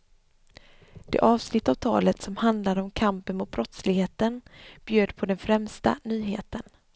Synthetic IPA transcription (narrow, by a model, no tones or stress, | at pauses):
d̪̥ḛːʔɑːvsnɪt̪ːavt̪ʰɑːlət̪sɔmhand̪laɾəɔmkʰampənmʊt̪̚bɾɔt̪slɪɡheːt̪ənb̥jøːd̪pʰɔd̪ɛnfɾɛmst̪a̰nyːɦḛːt̪ən